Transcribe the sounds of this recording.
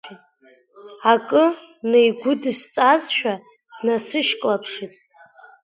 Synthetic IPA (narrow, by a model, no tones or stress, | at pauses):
akʼɨ | nejɡʷʊdɨst͡sʼazʃᶣa | d̥nasɨʃkʼlapʰʂitʼ